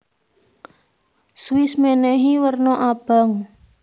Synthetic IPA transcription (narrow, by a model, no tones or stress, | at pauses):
swɪsmenɛɦiwərnɔʔab̥a̤ŋ